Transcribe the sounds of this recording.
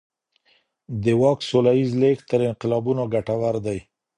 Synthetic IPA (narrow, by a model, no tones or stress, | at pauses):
d̪əwɑksolaizlekt̪əɾɪnqɪlɑbunoɡaʈawaɾd̪aj